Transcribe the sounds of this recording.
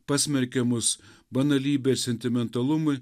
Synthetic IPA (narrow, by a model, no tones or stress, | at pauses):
pɑːsʲmʲɛɾʲkʲɛmʊsbɐnɐlʲiːbʲɛɾsʲɛnʲt̪ʲɪmʲɛnt̪ɐlˠʊmɐɪ